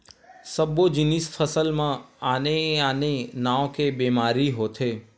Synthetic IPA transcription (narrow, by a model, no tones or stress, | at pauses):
səbod͡ʒinisfʰəsəlmãaneanenaõkebemaɾiɦot̪ʰe